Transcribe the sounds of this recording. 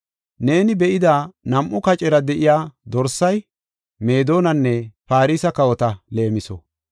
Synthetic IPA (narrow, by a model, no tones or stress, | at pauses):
ne̞ːnɪbɛʔɪd̪aːnɐmʔʊkɐt͡ʃʼɛɾɐd̪ɛʔɪjaːd̪ɔɾsɐj | me̞ːd̪o̞ːnɐnːɛpaːɾiːsɐkɐwɔt̪ɐle̞ːmɪsɔ̰